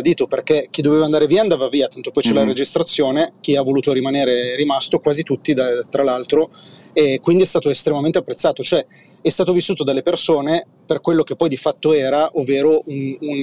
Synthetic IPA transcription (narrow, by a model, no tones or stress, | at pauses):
d̪iːt̪operkek̟id̪ːoveːvaːnd̪aːɾeviːand̪aːvaviːat̪ant̪opɔjt͡ʃɛlaɾed͡ʒist̪ɾat̪sːjoːnek̟iavːoluːt̪oɾimaneːɾeɾimast̪okwaːzit̪ut̪ːid̪at̪ɾalalt̪ɾoekːwind̪iɛst̪aːt̪oest̪ɾemament̪eapːɾet̪sːaːt̪ot͡ʃoɛ | ɛst̪aːt̪ovisːuːt̪od̪alːepersoːne | perkwelːok̟epːɔjd̪ifat̪ːoɛːɾaʔovːeːɾounun